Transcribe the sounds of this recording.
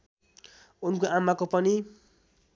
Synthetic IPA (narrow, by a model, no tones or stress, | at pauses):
unkoamːakopʌni